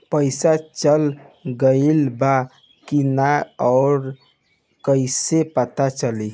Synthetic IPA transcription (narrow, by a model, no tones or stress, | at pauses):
pəjsat͡ʃəlɡəɪlba | kinaɔːɾ | kəjsepət̪at͡ʃəli